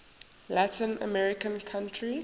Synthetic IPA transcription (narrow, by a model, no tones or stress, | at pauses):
latĩnə̰mɛɹɪkə̃nkʰãntʰɹi